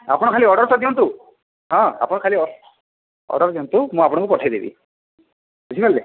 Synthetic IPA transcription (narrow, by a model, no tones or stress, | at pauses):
a̰pɔɽ̃ɔkʰaliɔɖɔɾt̪ɔd̪iɔnt̪u | ɦɔ̃a̰pɔɽ̃ɔkʰaliɔ | ɔ̰ɖɔɾd̪iɔnt̪umũapɔɽ̃ɔŋkupɔʈʰajd̪ḛbḭ | ut͡ʃʰipʰalːe